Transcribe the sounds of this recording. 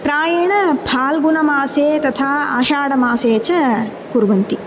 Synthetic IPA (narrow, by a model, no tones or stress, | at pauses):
pɾaːjɐɳɐpʰaːlɡunɐmaːseːt̪ɐt̪ʰaːa̰ːʃaːɽɐmaːseːt͡ʃɐ | kuɾʋɐnt̪i